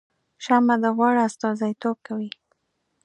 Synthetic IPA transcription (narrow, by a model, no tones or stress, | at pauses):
ʃamad̪əɣwɑɽaast̪ɑzajt̪ob̚kawi